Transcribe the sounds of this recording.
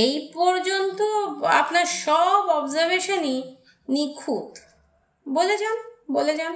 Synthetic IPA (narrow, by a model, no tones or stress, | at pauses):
ejpɔɾd͡ʑont̪oa̰pnaɾʃɔbɔbzaɾbeʃoni | nikʰut̪ | boled͡ʑanboled͡ʑan